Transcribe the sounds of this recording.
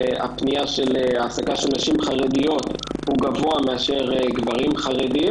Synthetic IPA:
a̰pnijaʃeleaːsakaʃelnaʃimχaʁed̪ijo̞t̪huɡavo̞ameaʃe̞ʁeɡvaʁimχaʁedi

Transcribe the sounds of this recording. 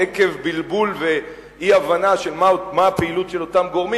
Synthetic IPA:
eke̞vbilbulve̞ | iavanaʃe̞lmamaapeilut̪ʃelo̞tamɡo̞ʁmi

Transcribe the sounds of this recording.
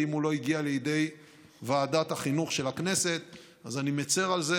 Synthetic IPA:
imulo̞iɡialejed̪e̞j | vaːd̪at̪haχinuχʃelakne̞se̞t̪ | azanimet͡se̞ʁalze

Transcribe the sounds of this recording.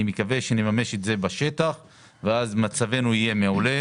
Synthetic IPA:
imekave̞ʃenemameʃetze̞baʃe̞t̪aχ | veazmat͡save̞nuije̞meole

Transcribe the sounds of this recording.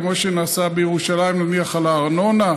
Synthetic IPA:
moʃenasabejeʁuʃalaimnaniaχalaːʁnona

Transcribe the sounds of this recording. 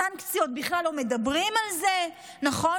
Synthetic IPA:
ankt͡siot̪̚biχlalːo̞me̞dabʁimalze̞ | naχo̞

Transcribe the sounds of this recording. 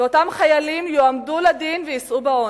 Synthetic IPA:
o̞tamχajalimjoamduladinvejisʔubao

